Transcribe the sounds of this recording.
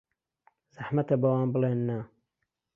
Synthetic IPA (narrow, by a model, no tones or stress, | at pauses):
z̥aħmɐt̪ɐbɐwaːnbɨleːnːa